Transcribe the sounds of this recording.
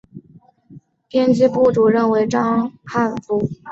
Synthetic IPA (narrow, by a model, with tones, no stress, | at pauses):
pʰjɛ˥nt͡ɕi˥pu˥˩ʈ͡ʂu˨˩ɻə˥˩nwe˧˥ɪʈ͡ʂɑ˥ŋkʰa˥˩nfu˧˥